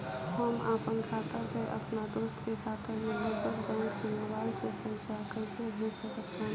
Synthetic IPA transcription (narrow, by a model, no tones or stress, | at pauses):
həmapənkʰat̪aseʔə̰pnad̪ost̪kekʰat̪amed̪usəɾbɛ̃ŋkɦinabalsepəɪsakəjseɦesəkət̪ɛ̃ːn